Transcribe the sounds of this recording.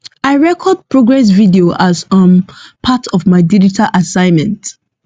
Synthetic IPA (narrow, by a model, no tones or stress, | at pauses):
aɪɹɛkʰɔd̚pɹoɡɹɛs̬vidioʔazʌ̃mpʰatʰɔvmaɪdid͡ʒitʰalʔasãɪ̃nmɛ̃nt